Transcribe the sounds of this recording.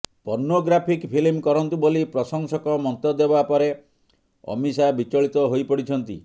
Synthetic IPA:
pɔɾnoɡɾapʰikpʰilmkɔɾɔnt̪ubolipɾɔsɔŋsɔkɔmɔnt̪ɔd̪ebapɔɾe | ɔ̰misabit͡ʃɔɭit̪ɔɦojpɔɽit͡ʃʰɔnt̪ḭ

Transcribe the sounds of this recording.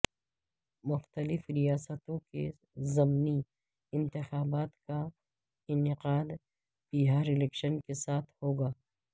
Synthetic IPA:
mʊxt̪əlɪfɾijaːsət̪õkḛ | zɐmni | ɪ̃nt̪ɪxaːbaːt̪ka | ɪnɪqaːd̪ | piːɦaːɾɪlɛkʃənkesaːt̪ʰhoːɡaː

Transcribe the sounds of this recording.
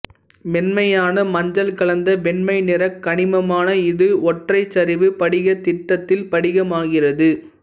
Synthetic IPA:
mɛnmɐjaːnɐmɐɲd͡ʒɐlkɐɭɐnd̪ɐʋɛnmɐɪnɪrɐkːɐɳɪmɐmaːnɐɪðɯɔʈrɐɪt͡ʃːɐɾɪʋɯpɐɽɪɣɐt̪ɪʈːɐt̪ːɪlpɐɽɪɣɐmaːɣɪrɐðɯ

